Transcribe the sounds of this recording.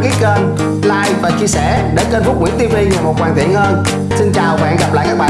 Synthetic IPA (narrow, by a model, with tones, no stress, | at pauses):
ki˦˥t̚kəː˧n | laː˧jvaː˨˩t͡ɕi˧əsɛ˧˩ | ɗe˧˩kəː˧nfʊ˦˥k͡p̚ŋḭ˧˩˥ŋt̪i˧vi˧va˨˩mo˨˩t̚kwaː˨˩nt̪i˧˨ənhəː˧n | si˧nt͡ɕaː˨˩wɓa̰ː˧˨nɣa˨˩p̚la̰ː˧˨kaː˦˥kɓaː˨